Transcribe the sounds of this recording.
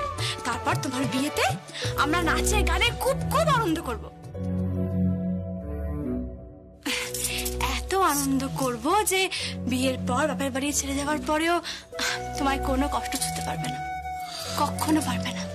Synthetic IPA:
t̪aɾpɔɾt̪omaɾbiet̪ea̰mɾaɾnat͡ɕeɾɡanekʰubkʰubanond̪okoɾbo | ɛt̪oanond̪okoɾbod͡ʑebieɾpɔɾbɛpaeɾbaɾiet͡ɕʰeled͡ʑaoaɾpɔɾeo | t̪omaɾkonokɔʃʈot͡ɕʰut̪epaɾbena | kɔkʰːonopaɾbena

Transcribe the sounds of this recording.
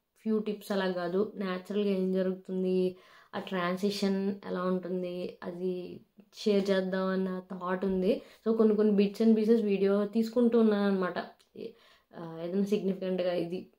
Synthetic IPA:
pʰjuːʈipsɛlaːɡaːd̪unaːt͡ʃɐɾɐlɡaːeːmd͡ʒɐɾuɡut̪und̪ia̰ːʈɾaːnsiʂɐnɛ̰laːuɳʈund̪iɐ̰d̪i | ʃeːɐɾt͡ʃɛːd̪ːaːmɐnːɐt̪aːʈund̪iso̞ːko̞nːiko̞nːibiʈt͡ʃɐnbis̬esʋiːɽijo̞ːt̪iːsu̥kuɳʈuːunːaːɾɐnːɐmaːʈɐ | eːd̪ɐnːaːsiɡnipʰikɐɳʈɡaːid̪i

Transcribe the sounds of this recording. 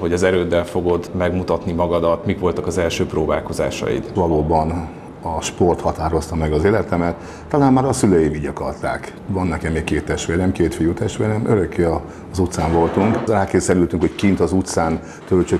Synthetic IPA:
ho̞ɟɒzɛɾøːd̪ːɛlfo̞ɡo̞d̪mɛɡmut̪ɒt̪nimɒɡɒd̪ɒt̪mikʋo̞lt̪ɒkɒzɛlʃøːproːbaːlko̞za̰ːʃɒ̰jḭt̪ʋɒloːbɒn | ɒʃpo̞rt̪hɒt̪aːɾo̞st̪ɒmɛɡɒzeːlɛt̪ɛmɛt̪ː | ɒlaːmmaːɾɒsyløːjiːviɟɒkɒ̰lt̪a̰ːk | vɒnːɛkɛmːeːkkeːt̪ːɛʃt̪ʋeːrnɛmkeːt̪fijut̪ɛʃt̪ʋeːɾnɛmʔøɾøkːeɒ | zut̪saːɱvo̞lt̪uŋkraːkeːzɛlyːlt̪yŋkho̞ckint̪ɒzut̪saːn | t̪ølt͡ʃø

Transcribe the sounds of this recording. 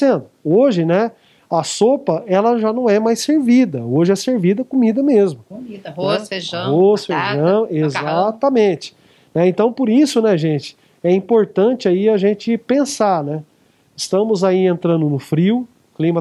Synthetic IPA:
sẽd̪ʊoʒɪnɛ | ɐsopɐɛlɐʒanɐ̃w̃ɛmajseɾvid̪ɐoʒɪɛseɾvid̪ɐkomid̪ɐmezmʊmioseʒoseʒɐ̃ezat̪ɐmẽt͡ʃɪ̥ | nɛẽnt̪ɐ̃w̃pʊɾisʊnɛʒẽt͡ʃɪ̥ | ɛĩpoɾt̪ɐ̃t͡ʃɪaiɐʒẽnt͡ʃɪpẽsaɾnɛ | ɪst̪ɐ̃mʊzaiẽnt̪ɾɐ̃nd̪ʊnʊfɾiw | klĩmɐ

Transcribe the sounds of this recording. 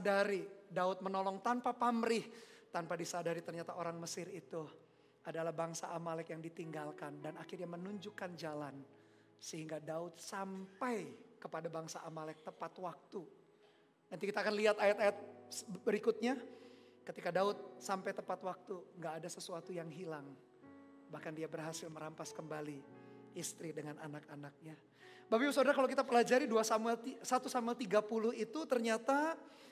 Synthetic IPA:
daɾidaʊt̪̚mənolɔŋt̪anpapamɾɪht̪anpadisadaɾit̪ərɲat̪aʔoɾaŋməsɪɾit̪u | adalahbaŋsaʔamalɛkjaŋdit̪iŋɡalkandanakɪrɲamənuɲd͡ʒukand͡ʒalan | səɦiŋɡadaʊt̪̚sampajkəpadabaŋsaʔamalɛk̚t̪əpat̪wak̚t̪u | nant̪ikit̪aːkanliɦat̪ajat̪ajat̪̚bəɾikʊt̪̚ɲakət̪ikadaʊt̪̚sampajt̪əpat̪wak̚t̪uŋɡaːdasəsuat̪ujaŋɦilaŋ | bahkandiabərɦasɪlməɾampaskəmbaliist̪ɾidəŋanʔanakanak̚ɲa | babibs̬odarkalowkit̪apəlad͡ʒaɾiduasamuɛlt̪isat̪usamuɛlt̪iɡapulʊhit̪ut̪ərɲat̪a

